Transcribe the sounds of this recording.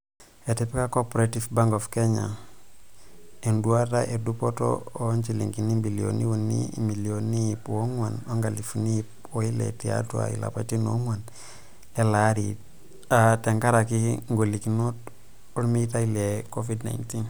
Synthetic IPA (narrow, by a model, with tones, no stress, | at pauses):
e˨ti˨pi˦ka˦ko˦poɾeti˨fba˦ŋɡo˨fke˦ɲa̰˨ | e˨ndu˦a˦ta˦ʔe˨du˦po˦to̰˦o˦nt͡ʃi˨lḭŋki˨ni˦bi˨li˨o̰˨ni˦wu˨nḭmi˨li˨o˨nːi˦ji˨pwo˦ŋwa˨no˦ŋɡa˨li˨funi˦ip̚ | wo˦i˦lḛ˨ti˨ja̰˦tu˦a̰˨ḭ˨la̰˨pa˨˦ti˦no̰˦ŋwa˨n | le˦la˨˦ɾḭ | a˨te˨ŋka˦ɾa˨ki˦ŋɡo˨li˨ki˨no˦t | u˦ɾmi˦ta˦ile˨ko˦fi˦dna̰˨inti˦n